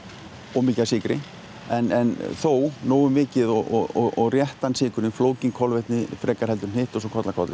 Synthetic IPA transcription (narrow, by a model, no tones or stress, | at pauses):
ɔɣmiːcasɪːkɾɪ | ɛnɛnθoːwnoːwʏmvɪːcɪðɔɔɔɔɣrjɛht̪ansɪːkʏɾnɪnfloːwciŋkʰɔlvɛht̪nɪfɾʔɛːkaɾ̥hɛlt̪ʏɾ̥n̥ɪːht̪ɔsɔkʰɔt̪lakʰɔt̪lɪ